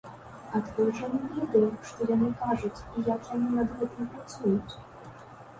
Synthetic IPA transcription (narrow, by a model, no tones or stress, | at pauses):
ɐt̪kɔjʐɐnʲɨvʲed̪ɐjuʂt̪ɔjɐnɨkaʐut͡sʲijakjanɨnɐd̪ɣɛt̪ɨmpɾat̪sujut͡sʲ